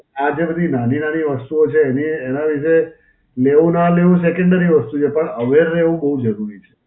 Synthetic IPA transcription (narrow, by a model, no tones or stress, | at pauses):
ad͡ʒebəd̪ʱinaninaniʋəst̪uot͡ʃʰeːniːnaʋiʃe | leʋũnaleʋũs̬ekəɳɖəɾiʋəst̪ut͡ʃʰepəɳəʋeɾːeʋũbəɦud͡ʒəɾuɾit͡ʃʰe̥